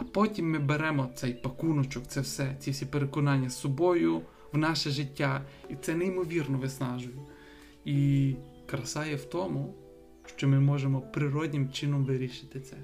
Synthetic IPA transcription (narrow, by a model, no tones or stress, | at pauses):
ɐpɔtʲimːɪbeɾɛmɔt̪sɛjpɐkunɔt͡ʃɔkt̪sɛwsɛt͡sʲifsʲipeɾekɔnɑnʲːɐsɔbɔjʊ | wnɑʃɛʒɪtʲːait̪sɛnɛimɔʋʲirnɔʋɪsnɑʒʊjɛ | i | kɾɐsɑjɛwt̪ɔmʊ | ʃt͡ʃɔmɪmɔʒemɔpɾɪɾɔdʲnʲɪmt͡ʃɪnɔmʋɪɾʲiʃɪ̥t̪ɪt̪sɛ